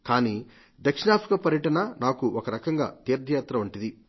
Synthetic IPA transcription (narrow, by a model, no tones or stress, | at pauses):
kaːni | d̪ɐkʂɳaːpʰɾikapɐɾjɐʈɐnɐnaːkuʔɔkɐɾɐkɐŋɡa̰ːt̪iːɾd̪ʱjaːt̪ɾɐʋɐɳʈid̪i